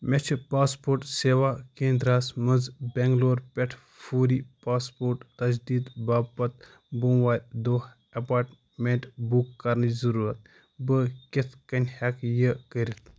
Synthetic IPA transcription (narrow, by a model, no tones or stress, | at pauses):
mʲet͡ʃʰpaːspoːɾʈseːʋakeːnd̪ɾaːsməzbʲeŋɡloːɾpʲɛʈʰ | fʰuːɾipaːspoːɾʈt̪ɐd͡ʒd̪iːd̪baːpːɐt̪̚ | bumʋaːlʲd̪oːh | ɐpaːɾʈ | meɳʈbukːɐɾnɨzɐɾuɾɐt̪̚ | bəkʲet̪ʰkɐnʲhɛkjəkəɾʲit̪ʰ